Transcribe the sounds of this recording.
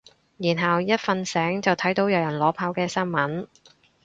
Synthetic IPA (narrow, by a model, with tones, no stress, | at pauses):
jiː˨˩nɦɐ˨wjɐ˥t̚fɐ˧nsɛː˨˥ŋt͡sɐ˨wt̪ʰɐ˨˥jt̪o˨˥wjɐ˨wjɐ˨˩nlɔː˨˥pʰaː˧wkɛː˧sɐ˥nmɐ˨˥n